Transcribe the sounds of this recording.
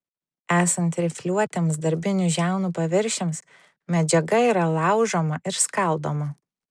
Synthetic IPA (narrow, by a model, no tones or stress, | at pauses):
æːsɐnt̪ɾʲɪfʲlʲuɔt̪ʲemsd̪ɐɾʲbʲɪnʲuˑʒʲæˑʊnuːpɐʋʲɪɾʲʃʲɛms | mʲɛd͡ʒʲɛɡɐiːɾɐlˠɑˑʊʒomɐʔɪɾskɐlˠd̪oːmɐ